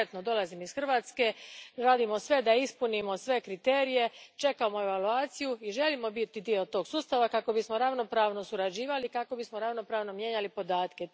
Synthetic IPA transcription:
t̪no̞d̪o̞lazimisxrʋaːt̪ske̞ɾaːd̪imosʋe̞d̪aispunimo̞sʋe̞kɾit̪eːɾije̞t͡ʃe̞kamoe̞ʋaluaːt̪sijuiʒe̞limo̞bit̪id̪iot̪o̞ːɡ̥suːst̪aʋakako̞bismo̞ɾaʋno̞pɾaːʋno̞suɾad͡ʑiːʋalikako̞bismo̞ɾaʋno̞pɾaːʋno̞mje̞ːɲalipo̞d̪aːt̪ke̞

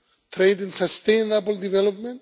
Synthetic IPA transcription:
t̪ʰɾeɪd̪ɪ̃nsast̪ẽjnabld̪ivɛlɔp̚mɛ̃n

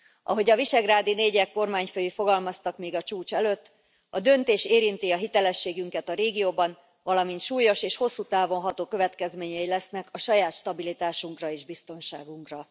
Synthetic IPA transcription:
ʔɒ̰ɦo̞ɟɒviʃɛɡraːd̪ineːɟɛkːo̞rmaːɲføjifo̞ɡɒlmɒst̪ɒkmeːɡɒt͡ʃuːt͡ʃɛløːt̪ː | ɒd̪ø̞nt̪eːʃeːɾint̪iɒɦit̪ɛlɛʃːeːɡyŋkɛt̪ɒɾeːɡijoːbɒn | vɒlɒmint̪ʃuːjo̞ʃeːʃho̞sːut̪aːvo̞nɦɒt̪oːkø̞vɛt̪kɛzmeːɲɛjilɛsnɛkɒʃɒjaːt̪ʃt̪ɒbilit̪aːʃuŋkrɒeːʒbist̪o̞nʃaːɡuŋkrɒ

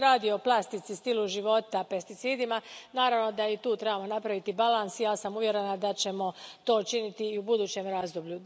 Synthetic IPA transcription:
ɾaːd̪iooplˠast̪it̪sist̪iluʒiʋo̞t̪ape̞st̪it̪siːd̪imanaːɾaʋno̞d̪ait̪uːt̪ɾebamo̞napɾaʋit̪ibalˠansijaːsamuʋje̞ɾe̞nad̪at͡ɕe̞mo̞t̪o̞ːut͡ʃinit̪iːubud̪uːt͡ɕe̞mɾaːzd̪oblʎu

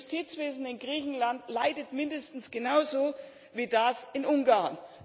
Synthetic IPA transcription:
stʰiːt͡sv̥eːzn̩ɪnɡʁiːçn̩lantlaɪdətmɪndəstn̩sɡ̥ənaʊzoː | viːdasɪnʔʊŋɡaɐn

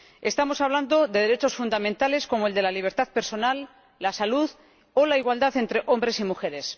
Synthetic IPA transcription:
e̞st̪amo̞saβ̞land̪o̞ðe̞ð̞e̞ɾe̞t͡ʃo̞sfund̪amẽnt̪ale̞sko̞moe̞ld̪e̞laliβ̞e̞ɾt̪aðpe̞ɾso̞nalː | asaluð | o̞laiɣwald̪aθe̞nt̪ɾe̞ʔo̞mbɾe̞simuxe̞ɾe̞s

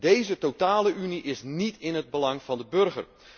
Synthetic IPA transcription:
dejzətowtaːləʔyniʔɪsnitɪnɦəd̚bəlɑŋv̥ɑndəbɵrɣə̰r

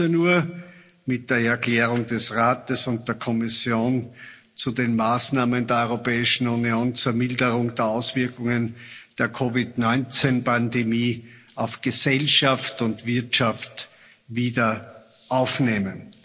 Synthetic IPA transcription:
ənuːɐ | mɪt̚d̥eːɐɛɐkl̥ɛːʁ̞ʊŋdɛsʁaːtəsʊnt̚d̥eːɐkʰɔmɪsjoːn | t͡sudenmaːsnaːməndeːɐɔʏʁopɛːɪʃn̩unioːnt͡suːɐmɪldəʁʊŋd̥eːɐaʊsv̥ɪɐkʊŋənd̥eːɐkʰovɪdnɔʏnt͡senpʰandemiː | aʊfɡ̥əzɛlʃaftʊntv̥ɪɐtʃaft | viːdɐ | ʔaʊfneːmən

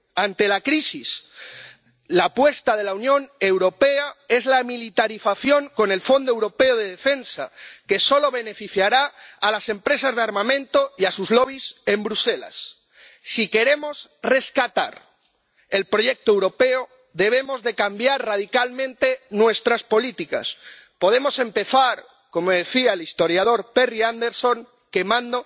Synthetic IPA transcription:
ant̪elakɾisis | lapwe̞st̪aðe̞launjõ̞ne̞wɾo̞peae̞zlamilit̪aɾiθaθjo̞ŋko̞ne̞lfo̞nd̪oe̞wɾo̞pe̞oð̞e̞ð̞e̞fe̞nsa̰ke̞so̞lo̞β̞ene̞fiθjaɾaːlase̞mpɾe̞sazðeaɾmãmẽ̞nt̪o̞iasuzlo̞β̞ise̞mbɾuse̞la̰sː | ike̞ɾe̞mo̞sre̞skat̪a̰ɾ | e̞lpɾo̞ʝe̞k̚t̪oewɾo̞pe̞o | ðe̞β̞e̞mo̞zðe̞kambjaɾrað̞ikalmẽnt̪e̞nwe̞st̪ɾaspo̞lit̪ika̰s | po̞ð̞e̞mo̞se̞mpe̞θaɾ | ko̞moðe̞θiaelist̪o̞ɾjaðo̞ɾperiand̪e̞ɾso̞ŋ | ke̞mãnd̪o

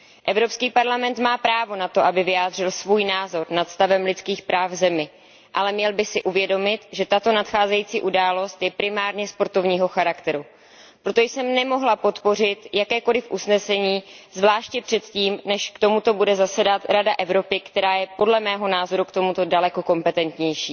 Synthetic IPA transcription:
ʔɛvɾo̞pskiːpaɾlamɛnt̪maːpɾaːvo̞nat̪o̞ʔabɪvɪjaːd̪r̝ɪlsvuːjnaːzo̞ɾnat̪st̪avɛmlɪt͡skiːxpɾaːvvzɛmɪ | ʔalɛmɲɛlbɪsɪʔuvjɛdo̞mɪt̪ʒɛt̪at̪o̞nat̪xaːzɛjiːt͡siːʔudaːlo̞st̪jɛpɾɪmaːɾɲɛspo̞ɾt̪o̞vɲiːɦo̞xaɾakt̪ɛɾu | pɾot̪ojsɛmnɛmo̞ɦlapo̞t̪po̞r̝ɪt̪jakɛːko̞lɪfʔusnɛsɛɲiːzvlaːʃcɛpr̝̥ɛt̪ciːmnɛʃkt̪o̞mut̪o̞budɛzasɛdat̪ɾadaʔɛvɾo̞pɪkt̪ɛɾaːjɛpo̞dlɛmɛːɦo̞naːzo̞ɾukt̪o̞mut̪o̞dalɛko̞ko̞mpɛt̪ɛnt̪ɲɛjʃiː

